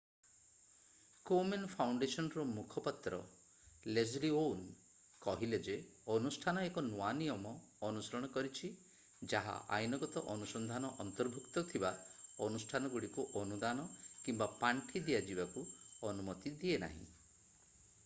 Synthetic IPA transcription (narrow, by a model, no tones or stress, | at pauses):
komenpʰawɳɖesɔnɔɾɔmukʰɔpat̪ɾɔ̰ | lezlion | kɔɦiled͡ʒeɔnusʈʰanɔekɔnuanijɔmɔː | nusɔɾɔɽ̃ɔkɔɾit͡ʃʰi | d͡ʒaɦa̰ʔa̰jnɔɡɔt̪ɔʔɔnusɔnd̪ʱanɔʔɔnt̪ɔɾbʱukt̪ɔt̪ʰibaɔnusʈʰanɔɡuɽikuʔɔnud̪anɔkimbapaɳʈʰid̪iad͡ʒibakuɔnumɔt̪id̪iena̰ɦḭ̃